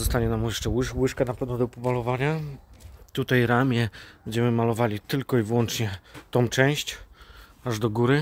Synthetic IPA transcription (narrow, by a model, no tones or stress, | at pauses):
zɔst̪aɲɛnamujɛʂt͡ʂɛwɘʂwɘʂkanapɛvnɔd̪ɔpɔmalɔvaɲa | t̪ut̪ajɾamʲjɛbɛɲd͡ʑɛmɘmalɔvalʲit̪ɘlkɔivwɔnt͡ʂɲɛt̪ɔ̃w̃t͡ʂɛ̃w̃ɕt͡ɕ | aʐd̪ɔɡuɾɘ